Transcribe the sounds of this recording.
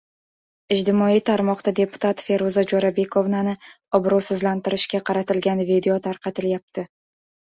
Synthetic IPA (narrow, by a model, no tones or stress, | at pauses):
ɪd͡ʒt̪ɪmɒijt̪ʰaɾmɒqd̪ad̪e̞pʰʊ̥t̪ʰat̪fe̞ɾozad͡ʒɒɾabe̞kʰo̞vnanɪ | ɒbɾɒwsɪzlant̪ɪɾɪʃkʲaqʰɑɾat̪ɪlɡʲanvid̪e̞ot̪ʰaɾqʰɑt̪ɪljap̚t̪ʰɪ